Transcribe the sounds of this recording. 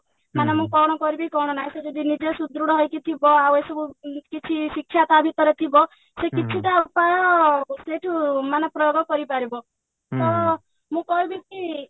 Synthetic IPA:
manamũkɔɽ̃ɔkɔɾibikɔɽ̃ɔnajsed͡ʒɔd̪inid͡ʒesud̪ɾuɽɔɦɔjkit̪ʰibɔawejsɔbukit͡ʃʰisikʃʰjat̪abʱit̪ɔɾet̪ʰibɔ | sekit͡ʃʰit̪aupajɔseʈʰumanapɾɔjoɡɔkɔɾipaɾibɔ | t̪ɔ | mũkɔɦubiki

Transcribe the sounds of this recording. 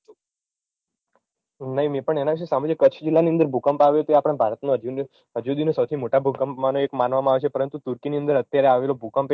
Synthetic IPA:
nəɦĩmepəɳenaʋiʃ̬esamod͡ʒekəːt͡ʃʰd͡ʒilːaniə̃nd̪əɾbʱukəmpaʋjot̪oeapəɽ̃ebʱaɾət̪noəd͡ʒ | əd͡ʒud̪inesəwt̪ʰimoʈabʱukəmpmanoekmanʋamãaʋet͡ʃʰepəɾənt̪ut̪uɾkiniə̃nd̪əɾət̪jaɾeaʋelobʱukəmp

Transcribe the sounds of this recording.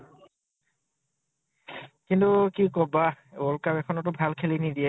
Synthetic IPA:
kintukikɔbaolkapɛkʰɔnɔtɔbʱalkʰelinid̪iɛ

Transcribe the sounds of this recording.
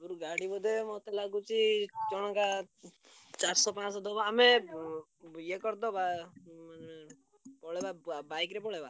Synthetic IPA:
uɾuɡaɽibɔd̪ʱemɔt̪elaɡut͡ʃit͡ʃɔɽ̃ɔka | t͡ʃaɾsɔpãt͡ʃɔd̪ɔbaːme | jekɔɾd̪ɔbaane | pɔɭebabajkɾepɔɭeba

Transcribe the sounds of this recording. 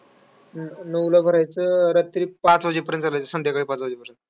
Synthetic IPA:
nəwlabʱəɾajt͡səɾət̪ːɾiːpãt͡sʋad͡ʑipəɾjənt̪t͡salajt͡səsənd̪jakaɽiːpat͡sʋad͡ʑiːpəɾjənt̪

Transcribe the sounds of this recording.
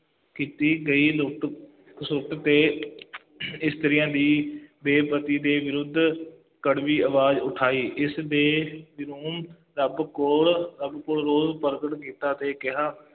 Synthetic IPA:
kiːt̪iːɡəiːlʊʈ | sʊʈt̪eː | ɪst̪əɾɪjãːd̪iːbeːpət̪iːd̪eːʋɪɾʊd̪ʱː | kəɽʋiːəʋaːzʊʈʰaːiːʔɪsd̪eːbɪɾuːm | ɾəbkoɭɾəbkoːɭɾoːzpəɾɡəʈkiːt̪aːt̪eːkɪɦaː

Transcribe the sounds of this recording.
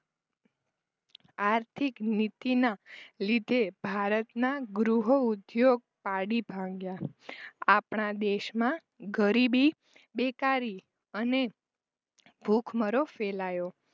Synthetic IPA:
aɾt̪ʰiknit̪inalid̪ʱebʱaɾət̪naɡɾuɦoud̪joɡ̚paɽibʱãŋɡja | apɳad̪eʃmã | ɡəɾibi | bekaɾi | əne | bʱukʰməɾofelajo

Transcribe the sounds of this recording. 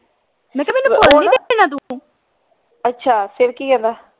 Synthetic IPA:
mɛ̃ːkɛmɛnːuːboːlniːd̪ek̚eːnaːt̪̬ũ | ətːʃʰaːsɪɾkiːkɛ̃ːnd̪aː

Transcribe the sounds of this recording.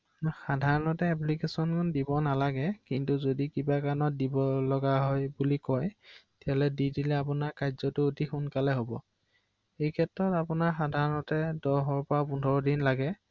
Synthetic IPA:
xadʱaɹɔnɔtɛɛplikesɔnkʰʊndibɔnalaɡɛkintuzodikibakanɔt̚dibɔlɔɡaɦɔjbulikɔjtɛalɛdidilɛapunaɹkajzɔtʊotixunkalɛɦobɔ | ejkʰɛtɹɔtapunaɹxadʱaɹɔnɔtɛdɔɦɔɹpɔɹapundʱɔɹɔdinlaɡɛ

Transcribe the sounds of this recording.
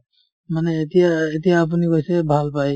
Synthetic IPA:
manɛːt̪ijaet̪ijaːp̬unikojsɛbʱalpaj

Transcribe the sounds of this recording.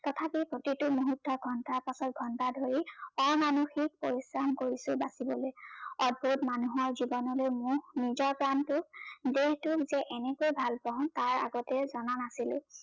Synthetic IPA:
tɔtʰapipʰotitʊmoɦutːɔɡʱɔntaɹpasɔt̚ɡʱɔntadʱoɹiɔɹmanuxik̚poɹisɹamkoɹisʊbasibɔlojɔd̚bʱutmanuɦɔɹzibɔnɔlojmunizɔɹpɹantʊk̚deɦtʊkzɛʔɛnɛkojbʱalpãʊ̃taɹa̰ɡɔtɛzɔnanasilʊ̰̃

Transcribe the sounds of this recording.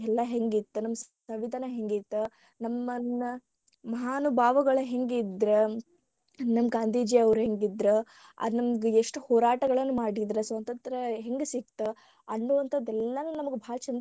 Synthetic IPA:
ɛlːɐɦeŋɡit̪ːunɐmːɐssɐʋid̪ʱɐnɐɦe̞ŋɡit̪ːu | nɐmːɐɐ | mɐɦaːnɐbʱaːʋɐɡɐɭɐɦe̞ŋɡid̪ɾe | nɐmːɡaːnd̪ʱiːd͡ʒeɐʋɾɦeŋɡid̪ɾe | ɐ̰d̪nɐmɡeeʂʈuhɔːɾaːʈɐɡɐɭɐnːumaːɽid̪ɾesʋɐnt̪ɐnt̪ɾɐɦeŋɡesik̚t̪ːu | ɐnːuːʋɐnt̪ʰɐd̪ɛlːɐnunɐmɐɡebʱaːlɐt͡ʃɐnd̪

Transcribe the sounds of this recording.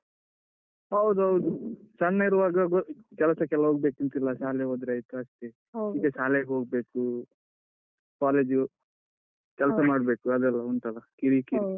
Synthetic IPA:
ɐwd̪uɐwd̪usɐnːɐiɾuʋaːɡɐɡkɛlɐsɐkɛlɐɦoːɡ̚beːkint̪ilːɐʃaːleɦod̪ɾɐjt̪uɐst̪e | ikesaːleɡɦoːɡbeːku | kaːleːd͡ʒu | kɛlɐsɐmaːɽbeːkuɐd̪ɛlːɐuɳt̪ɐlɐkiɽikiɾi

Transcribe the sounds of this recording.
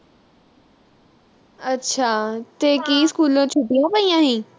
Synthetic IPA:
ətːʃʰaːt̪eːkiːskuːlõːt͡ʃʰʊʈɪjãːpəijãːɦĩː

